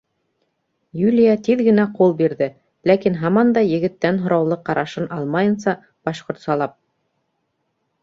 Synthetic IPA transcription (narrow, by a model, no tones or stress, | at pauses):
julʲijat̪iðɡɘ̆næqulˠbiɾðɘ | lækinɦɑmɑnd̪ɑjɘ̆ɡɘ̆t̪ːænɦŏɾɑwlˠɤqːɑɾʔɑʃɤnʔɑlˠmɑjɤ̆nsɑ | b̥ɑʃqŏɾt̪sɑlˠɑp̚